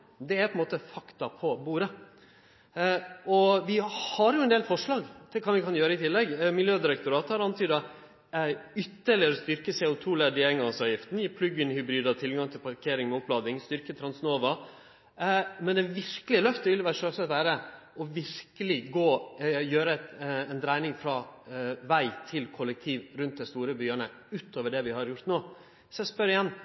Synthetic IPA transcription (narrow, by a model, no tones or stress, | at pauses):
d̪ɛæɾpʰɔɛnmoːt̪əfɑkt̪ɑpʰɔbuːɾə | ɔʋɪhɑɾjʊɛnd̪eːlfɔʂɭɑːɡt̪ʰɪlkʰɑːʋɪkʰɑnjøːɾəɪt̪ʰɪlːɛɡmɪljøːd̪ɪɾɛk̚t̪ʊɾɑːt̪hɑɾɑnt̪ʰyːd̪ə | ʏt̪ːəɭɪəɾɔst̪ʏɾkəsɛːʊt̪ʰuːlæd̪ɪɛŋɡɑsɑːʋjɪft̪n̩jiːpʰlʉɡɪnhʏbɾiːd̪ɑt̪ʰɪlɡɑŋt̪ʰɪlpʰɑɾkʰeːɾɪŋmɛʊt̪̚blɑːd̪ɪŋst̪ʏɾkət̪ʰɾɑnsnoːʋɑ | mɛnɛʋɪɾkəlɪlœft̪ɛʋɪlʋæːɾʂøːsɛt̪ʋæːɾəɔʋɪɾkəlɪɡoːjøːɾət̪ɛnd̪ɾæɪnɪŋfɾɑʋæɪt̪ʰɪlkʰɔlːɛk̚t̪ʰiːʋɾʉnt̪̚d̪æɪst̪uːɾəbyːəɳə | ʉːt̪oːʋəɖɛʋɪhɑɾjʊɾt̪noː | sɔæspœɾɪjɛnː